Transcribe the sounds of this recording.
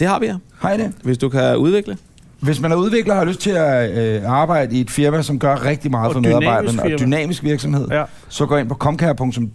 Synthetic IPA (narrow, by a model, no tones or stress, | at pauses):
d̥e̝hɑʋihɑ̈d̥eʋe̝sd̥ukʰæuð̞ˠʋeɡ̥lə | ʋe̝smænhɑ̈uðˠʋe̝ɡ̥ləhɑ̈løsd̥̚t͡sʰe̝æɑ̈ːb̥ɑ̈ɪ̰d̥əie̝d̥fiɐmæsɒ̽mɡ̥ɶɐʁɛɡ̥̚d̥imɑ̈ːð̞̩ˠfɒmeððˠɑ̈bɑ̈ɪd̥ðnɒd̥ynɛ̰ːmisɡ̥ʋiɐɡ̥sɒ̽mhe̝ð̞̰ˠ | sɒ̽ɡ̥ɔ̰ːje̝npʰɒ̥̽kʰɒ̽mkʰæɐpʰɔ̽ŋt͡sʰɔ̽m